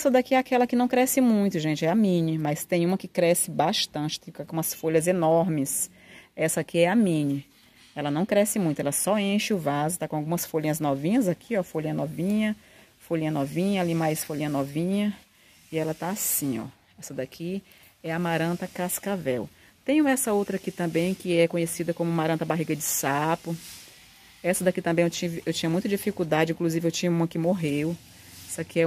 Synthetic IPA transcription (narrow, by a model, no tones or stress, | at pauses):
sɐd̪akiɛakɛlɐkɪnɐ̃w̃kɾɛsɪmũj̃t̪ʊʒẽnt͡ʃɪɛamĩnɪmast̪ẽj̃ũmɐkɪkɾɛsɪbaʃt̪ɐ̃t͡ʃɪ̥t̪ẽj̃akumɐsfoʎɐzenɔɾmɪs | ɛsɐakiɛamĩnɪ | ɛlɐnɐ̃w̃kɾɛsɪmũj̃t̪ʊɛlɐsɔẽʃɪʊvazʊt̪akõawɡũmɐsfolĩɲɐznɔvĩɲɐzakʰiɔfoʎĩɲɐnɔvĩɲɐ | foʎĩɲɐnɔvĩɲɐalimajsfolĩɲɐnɔvĩɲɐ | ɪɛlɐt̪aːsĩɔ̰ | ɛsɐd̪akʰi | ɛɐmaɾɐ̃t̪ɐkaskavɛw | t̪ẽjʊũɛsɐowt̪ɾɐakit̪ɐ̃mbẽj̃kɪɛkõɲesid̪ɐkõmʊmaɾɐ̃t̪ɐbaɦiɡɐd͡ʒɪsapʊ | ɛsɐd̪akit̪ɐ̃mbẽj̃ewt͡ʃivɪʔewt͡ʃĩɲɐmũj̃t̪ɐd͡ʒifikud̪ad͡ʒɪĩkluzivɪewt͡ʃĩɲɐũmɐkɪmoɦew | ɛsɐkɪɛ